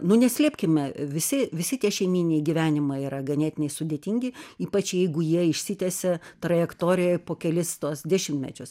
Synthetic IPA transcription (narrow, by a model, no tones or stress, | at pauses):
nʊnʲɛsʲlʲiɛpʲkʲɪmʲɛʋʲɪsʲɪʋʲɪsʲɪt̪ʲiɛʃʲɛɪmʲiːnʲnʲɛɪɡʲiʋʲæːnʲɪmɐɪiːɾɐɡɐnʲeːt̪ʲɪnʲɛɪsʊdʲeːt̪ʲiŋʲɡʲɪiːpɐt͡ʃʲjɛɪɡʊjiɛɪʃʲsʲɪt̪ʲɛsʲɛt̪ɾɐjɛkt̪oːɾʲɪjɛɪpoːkʲɛlʲɪst̪uɔsd̪ʲæʃʲɪmʲt̪ʲmʲɛ̰t͡ʃʲʊs